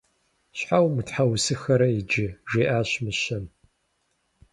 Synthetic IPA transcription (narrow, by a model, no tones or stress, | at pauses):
ɕħawmɨtħawsɨxɐɾɐid͡ʒɪʒeːʔaːɕmɨɕɐn